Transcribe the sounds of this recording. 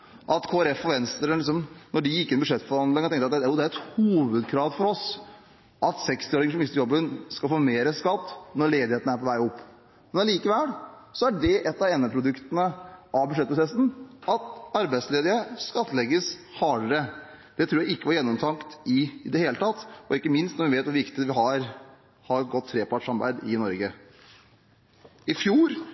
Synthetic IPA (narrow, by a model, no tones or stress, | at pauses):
ʔɑt̪kʰoːæɾɛfɔʋɛnst̪əɾəɪksɔmnɔɖɪjɪkːɪnːbʉʂɛt̪ːfɔɾhɑnd̪lɪŋɔt̪ɛŋk̪t̪ɑt̪uːd̪æɾɛt̪huːʋəd̪kʰɾɑːʋfɔɾɔs | ʔɑt̪sɛkst̪ɪoːɾɪŋəʂɔmɪst̪əɾjɔbːənskɑlfoːmeːɾəskɑt̪ːnɔɭeːd̪ɪheːt̪n̩əæɾpʰɔʋæɪɔpː | mɛnɑliːkəʋɛlsɔæɖɛʔɛt̪ːɑɛːnəpʰɾʊd̪ʉkt̪ənəʔɑʋbʉʂ̬ɛt̪̚ːpʰɾʊsɛsn̩ʔɑt̪ɑɾbæɪd̪sleːd̪ɪəskɑt̪ːlɛɡːəshɑːɾəɾə | d̪̥ɛt̪ʰɾuːjæɪɪkːəʋɑɾjɛnːɔmt̪ʰɑŋkt̪ɪd̪ɛheːlət̪ʰɑt̪ːɔɪkːəmɪnst̪nɔɾʋɪʋeːt̪ʋʊʋɪkt̪ɪʋɪɦɑɾ | hɑɾɡɔt̪ʰːɾeːpɑʈʂɑmbæ̰ɪd̪ɪnɔɾɡə | ɪfjuːɾ